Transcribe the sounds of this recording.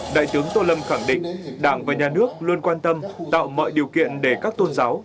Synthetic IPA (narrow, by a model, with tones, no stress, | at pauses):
ɗa̰ː˧˨jt̪ɨ˨˦əŋt̪o˧lə˧mxa˧˩ŋɗḭ̈˧˨ŋ̟ɗaː˧˩ŋvaː˨˩ɲaː˨˩nɨ˦˥ək̚lwu˧ənkwaː˧nt̪ə˧mt̪a̰ː˧˨wmɔ̰ː˧˨jɗi˨˩əwkḭ˧˨ənɗe˧˩kaː˦˥k̚t̪o˧nzaː˨˦w